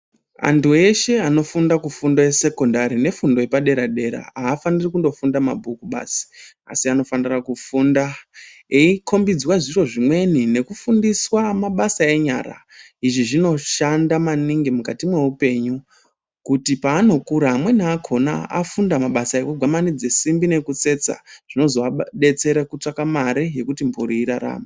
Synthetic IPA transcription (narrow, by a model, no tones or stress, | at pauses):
a̰ntʰue̞ʃe̞ano̞fundakufundo̞jese̞ko̞ndaɾine̞fundo̞jepaɗe̞ɾaɗe̞ɾa̰aːfanirikundo̞fundama̰bʱukuɓa̰ːsi̥ | a̰siano̞fanirakufundaeikʰo̞mbid͡zwaʐiro̞ʐimwe̞nine̞kufundiswamaɓasae̞ɲa̰ːra̰ | iʐiʐino̞ʃandamaniŋɡimukatimwe̞upe̞ɲu | kutipaːno̞kuɾaɦamwe̞naakʰo̞na̰a̰fundamaɓasaekuɡʱwamanid͡ze̞simbine̞kut͡se̞t͡sa̰ʐ̥ino̞zo̞aɓe̞t͡se̞ɾekut͡ʂakamaɾije̞kutimbuɾiːɾaɾa̰ːma